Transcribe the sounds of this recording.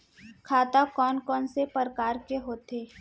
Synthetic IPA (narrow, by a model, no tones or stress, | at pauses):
kʰaːt̪akɔːnkɔːnsepəɾəkaːɾkeɦoːt̪eː